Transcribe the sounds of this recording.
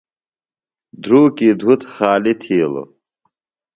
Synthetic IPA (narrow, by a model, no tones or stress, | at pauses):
d̪ʱɾuːkid̪ʱut̪xaːlit̪ʰiːlo̰